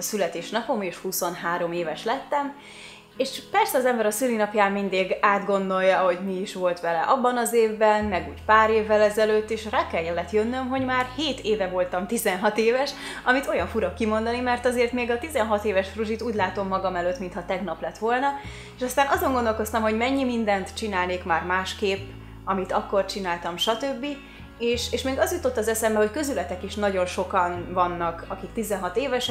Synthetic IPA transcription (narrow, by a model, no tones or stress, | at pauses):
sylɛt̪eːʃnɒpo̞meːʃhuso̞nɦaːɾo̞meːvɛʃlɛt̪ːɛm | eːʃpɛrsɛɒzɛmbɛɾɒsylinɒpjaːmːind̪eːɡaːd̪ɡo̞nd̪o̞ljɒho̞ɟmiiʃʋo̞lt̪ʋɛlɛ̰ʔɒbːɒnɒzeːvbɛnmɛɡuːcpaːɾeːvːɛlɛzɛløːt̪ːeːʃraːkɛljɛlːɛt̪jønːømɦo̞ɟmaːrheːt̪eːvɛvo̞lt̪ɒmt̪izɛnɦɒt̪eːvɛʃʔɒmit̪o̞jɒɱfuɾɒkːimo̞nd̪ɒnimɛrt̪ɒzeːrt̪meːɡɒt̪izɛnɦɒt̪eːvɛʃfruʒit̪uːɟʲlaːt̪o̞mːɒɡɒmɛløːt̪mint̪ʰhɒt̪ɛɡnɒplɛt̪ʋo̞lnɒ | eːʃɒst̪aːnʔɒzo̞ŋɡo̞nd̪olko̞st̪ɒmɦo̞ɟmɛɲːimind̪ɛnt̪t͡ʃinaːlneːkmaːrmaːʃkeːpː | ɒmit̪ɒkːo̞rt͡ʃinaːlt̪ɒmʃɒt̪øbːi | eːʃeːʃmeːɡɒzjut̪o̞t̪ːɒzɛsɛmbɛho̞ckøzylɛt̪ɛkiʃnɒɟo̞nʃo̞kɒnvɒnːɒkɒkik̚t̪izɛnɦɒt̪eːvɛʃ